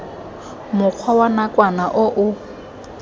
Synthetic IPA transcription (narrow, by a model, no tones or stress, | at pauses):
mʊk͡xʰwawanakʼwanaʔʊʔʊ